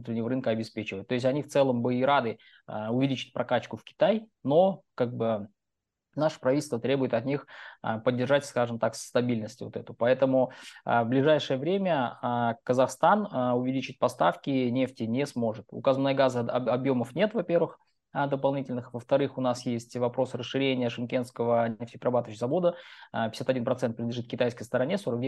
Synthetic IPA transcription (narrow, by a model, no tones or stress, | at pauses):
nut̪ɾʲɪnʲɪvəɾɨnkəɐbʲɪspʲet͡ɕɪvət̪̚ʲo̞ɪs̬ʲtʲɐnʲift̪sɛlˠəmbɨiɾad̪ɨ | əʊvʲɪlʲit͡ɕɪ̥t̚ʲpɾʔɐkat͡ɕːkʊfkʲɪ̥t̪ajno̞kaɡ̚bɨ | naʂɨ̥pɾɐvʲitʲlʲst̪vət̪ɾʲe̞bʊjɪt̪ɐt̪nʲixə̰pədʲːɪrʐatʲskaʐɨmt̪akst̪ɐbʲilʲnəsʲtʲɪvot̪ɛt̪ʊpɐɛt̪əmʊəvblʲɪʐajʂɨjəvɾʲemʲəkəzɐxst̪anʊvʲɪlʲit͡ɕɪt̚ʲpɐst̪a̰fkʲɪnʲe̞ftʲɪnʲesmo̞ʐɨt̪ʊ̰kazmnəjɡazɨɐɐbjo̞məfnʲe̞t̪vɐpʲe̞rvɨx | d̪əpɐlˠnʲitʲɪlʲnɨxvəft̪ɐɾɨxʊnasjesʲtʲvɐpɾo̞sɨɾəsʂɨɾʲenʲɪjəʂɨnkʲe̞nskəvənʲeftʲɪpʲɾʲrɐbat̪əvəɕɪzvɐvo̞d̪əpʲɪ̥sʲat̪ɐdʲinpɾɐt̪sɛnt̪̚pɾʲɪnd̪lʲɪʐɨt̪̚kʲɪt̪ajskəjst̪əɾɐnʲeso̞ɾək̚d̪ʲ